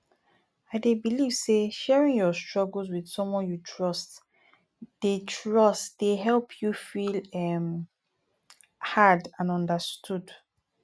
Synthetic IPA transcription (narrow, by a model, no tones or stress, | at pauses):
aɪdebiliv̥seʃɛɹĩŋjɔstɹɔɡəl̩ˠzwið̥sɔ̃mwɔ̃njutʰɹɔst | d̥etʰɹɔstd̥eɦɛlpʰjufilɛm | hadãnɔ̃ndastʰud